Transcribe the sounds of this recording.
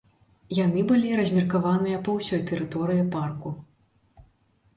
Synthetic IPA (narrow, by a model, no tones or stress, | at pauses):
janɨbɨlʲiɾɐzʲmʲirkavanɨjɐpɐwsʲɔjt̪ɛɾɨt̪ɔɾɨjiparku